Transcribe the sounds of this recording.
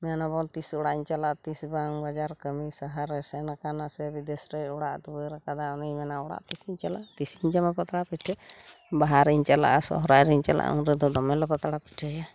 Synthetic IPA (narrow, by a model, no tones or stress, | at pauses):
mɛanabɔnt̪isɔɽaiɲt͡ʃalaʔt̪isbaŋbad͡ʒaɾkəmisaɦaɾɛsɛnakanasɛbid̪ɛsɾɛjɔɽaʔd̪uəɾakad̪aɔnijmɛnaɔɽa̰ʔt̪isiɲt͡ʃalaʔt̪isiɲt͡ʃamapɔt̪aɽapiʈʰɛ | baɦaɾiɲt͡ʃala̰ʔasɔ̰ɦɾajɾiɲt͡ʃala̰ʔa̰ṵnɾɛd̪ɔd̪ɔmɛlɔpɔt̪aɽapi̥ʈʰəja